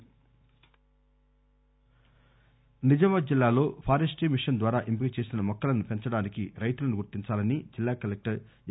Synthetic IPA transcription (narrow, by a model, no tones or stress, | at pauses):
nid͡ʒɐmɐd͡ʒilːaːlo̞ːpʰaːɾesʈiːmiʂɐnd̪ʋaːɾaːʔimpikit͡ʃe̞ːsinɐmɔkːɐlɐnupe̞ɲt͡ʃɐɽaːnikiɾɐjt̪ulɐnuɡuɾt̪iɲt͡ʃaːlɐnid͡ʒilːaːkɐlek̚ʈɐɾ